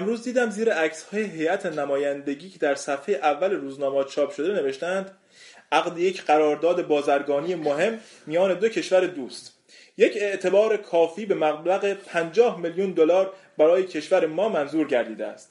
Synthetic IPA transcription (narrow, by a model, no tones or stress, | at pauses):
emɾuːzd̪iːd̪æmziːɾeæcʰshɒːjeɦe̞jʔæt̪ʰenæmɒːjænd̪e̞ɟiːcʰe̞d̪æɾsæfhejeʔævːæleɾuːznɒːmɒːt͡ʃʰɒːpʃo̞d̪e̞ne̞ve̞ʃt̪æænd̪ | ʔæɣd̪ejecʰɢæɾɒːɾd̪ɒːd̪e̞bɒːzæɾɡɒːniːjemoɦe̞mː | ijɒːne̞d̪o̞cʰe̞ʃvæɾe̞d̪uːst̪ | je̞cʰe̞ʔt̪ʰe̞bɒːɾe̞kʰɒːfiːbe̞mæɣblæɣe̞pʰænd͡ʒɒːhmeljund̪olɒːɾ | bæɾɒːje̞cʰe̞ʃvæɾemɒːmænzuːɾɟæɾd̪iːd̪eæ̰st̪